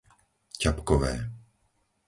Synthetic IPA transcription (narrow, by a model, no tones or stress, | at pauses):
capkɔʋɛː